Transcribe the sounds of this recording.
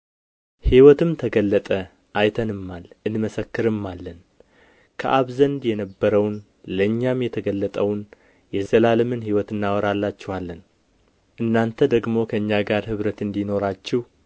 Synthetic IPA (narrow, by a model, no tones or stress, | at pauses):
hiwɔt̪ɨmt̪ʰəɡəlːət̪ʼə | ʔajt̪ʰənɨmːalʔɨnməsəkːɨɾɨmːalːən | kʰə̰ʔaβzənd̪jɛnəbːəɾəwn | ləɨɲːamjɛt̪ʰəɡəlːət̪ʼəwn | jɛzəlalɨmɨnhiwɔt̪ɨnːawɔɾalːat͡ʃːɛhalːən | ʔɨnːant̪ʰəd̪əɡmo̞kʰəɨɲːaɡaɾhɨβɾət̪ɨnd̪ino̞ɾat͡ʃːɛh